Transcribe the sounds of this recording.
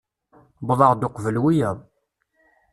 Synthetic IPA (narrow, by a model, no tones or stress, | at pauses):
bðˤɑʁd̪ʊqvəlwijæðˤ